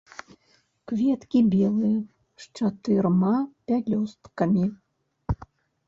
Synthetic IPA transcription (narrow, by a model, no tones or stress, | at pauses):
kvʲɛt̪kʲibʲɛlˠɨjɐ | ʂt͡ʂat̪ɨrmapʲalʲɔst̪kɐmʲi